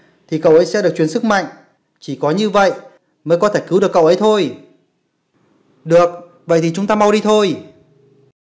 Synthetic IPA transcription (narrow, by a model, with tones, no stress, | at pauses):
t̪ʰi˨˩kə̰˧˨wʔə˨˦jsɛ̰˧˥ɗɨ˨˩ək̚t͡ɕwənsɨ˦˥k̚ma̰˧˨jŋ | t͡ɕi˧˩kɔ˨˦ɲɨ˧və̰˧˨j | məː˨˦jkɔ˨˦t̪ʰe˧˩kɨ˨˦wɗɨ˨˩əkːə̰˧˨wʔə˨˦jt̪ʰo˧j | ɗɨ˨˩ək̚ | və̰˧˨jt̪ʰi˨˩t͡ɕʊ˨˦ŋ͡mt̪aː˧ma˧wɗi˧t̪ʰo˧j